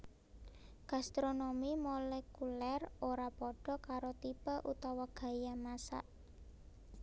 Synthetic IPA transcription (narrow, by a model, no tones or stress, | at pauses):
ɡ̥a̤st̪ɾonomimolɛkulɛroɾapɔɖ̥ɔ̤kaɾot̪ipəʔut̪awaɡ̥ä̤jamasa̰ʔ